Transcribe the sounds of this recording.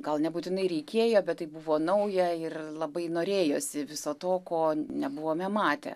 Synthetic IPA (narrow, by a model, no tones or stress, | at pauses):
ɡɐlˠnʲɛbuːt̪ʲɪnɐɪɾʲɛɪkʲeːjoːbʲɛt̪t̪ːɐɪbuʋoːnɐʊjɛɪrlˠɐbɐɪnoːɾʲeːjo̰ːsʲɪʋʲɪsoːt̪oːkoːnʲɛbʊʋoːmʲɛmɑːt̪ʲɛ̰